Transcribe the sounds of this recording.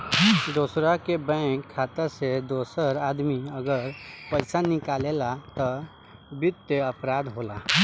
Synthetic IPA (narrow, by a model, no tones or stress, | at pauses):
d̪oːsɾakebɛ̃kʰːaːt̪əsed̪oːsəɾaːd̪miəɡəɾpəɪsanɪkaːlelat̪ɔ | bʊt̪ːeəpɾaːd̪ɦoːla